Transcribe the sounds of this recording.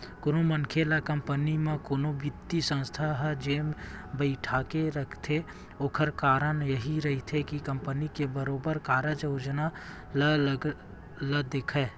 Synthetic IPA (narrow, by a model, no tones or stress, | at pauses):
koːnomənkʰelakəmpənimẽkoːnobɪd̪isə̃nst̪ʰaɦɛd͡ʒeːmbəɪʈʰakeɾəkʰt̪ʰe | oːkʰəɾkaːɾənjəɦiɾəɦit̪ʰekikəmpənikebəɾoːbəɾkaːɾəd͡ʒoʊd͡ʒna | lə | ləd̪eːkʰɛ